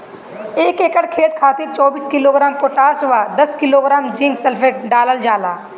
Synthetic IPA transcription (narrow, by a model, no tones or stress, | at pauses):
eːkeːkəɽkʰeːt̪kʰaːt̪ɪɾt͡ʃɔːbiːskɪloːɡɾaːmpoʈaːsʋaːd̪əskɪloːɡɾaːmd͡ʒɪ̃ŋɡsəlpʰeːʈ̚ɖaːləld͡ʒaːlaː